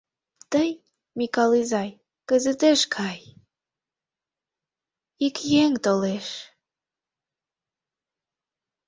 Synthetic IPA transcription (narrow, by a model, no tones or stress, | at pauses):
t̪əj | mikɑlizɑj | kəzət̪eʃkʰɑj | ikjeŋt̪oleʃ